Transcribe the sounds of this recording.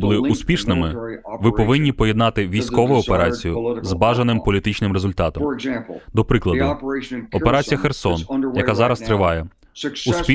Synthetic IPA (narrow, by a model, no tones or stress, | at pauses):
bʊlˠɪuspʲiʃnɪmɪʋɪpɔʋɪnʲːipɔjɛd̪nɑt̪ɪʋʲijsʲkɔʋʊjʊɔpeɾɑt͡sʲijʊzbɑʒɐnɪmpɔlʲit̪ɪt͡ʃnɪmɾezʊlʲt̪ɑt̪ɔ̰md̪ɔpɾɪklˠɐd̪ʊɔpe̞ɾɑt͡sʲijɐxersɔnjɐkɑzɑɾɐst̪ɾɪʋɑjɛ | uspʲi